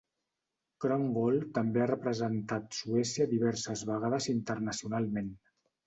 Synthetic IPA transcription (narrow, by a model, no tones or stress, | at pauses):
kɾoŋɡolˠt̪əmbearəpɾəzənt̪at̪suɛsjəðiβ̞ɛɾsəzβəɣ̞aðəzint̪ərnəsiunalˠmen